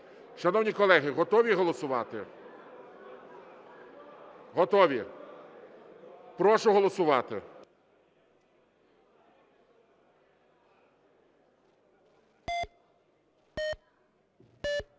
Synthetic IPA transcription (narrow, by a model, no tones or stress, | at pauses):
ʃɐnɔwnʲikɔlˠɛɦɪɦɔt̪ɔʋʲiɦɔlˠɔsʊʋɑt̪ɪ | ɦɔt̪ɔʋʲi | pɾɔʃʊɦɔlˠɔsʊʋɑt̪ɪ